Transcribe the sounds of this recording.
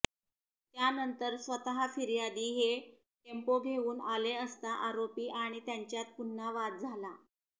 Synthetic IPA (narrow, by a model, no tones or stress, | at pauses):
t̪janənt̪əɾsʋət̪aɦafiɾjad̪iːɦe | kempoɡʱeuːnaleəst̪aʔaɾopiːʔaɽ̃it̪jaɲt͡ɕjat̪̚punːaʋat̪̚d͡zʱala